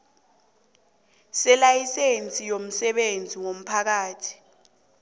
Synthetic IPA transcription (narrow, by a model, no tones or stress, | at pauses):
sɛlajisent͡sʼijom̩sɛɓend͡zʱiŋom̩pʰak̬aːtʰi̥